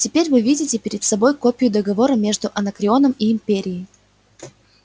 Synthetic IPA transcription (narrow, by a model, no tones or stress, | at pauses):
tʲɪpʲeɾʲvɨvʲidʲɪtʲɪpʲɪɾʲɪt̪sɐbo̞jkopʲɪjʊd̪əɡɐvo̞ɾəmʲe̞ʐd̪ʊʔɐnəkɾʲɪo̞nəmiːmpʲeɾʲɪɪj